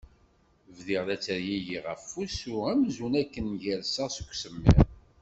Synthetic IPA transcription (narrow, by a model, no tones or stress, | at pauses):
vðiʁðæt͡sːəɾjijiʁəfːusuæmzunækːənʝælsəʁsə̥kʷːsəmːḭɾ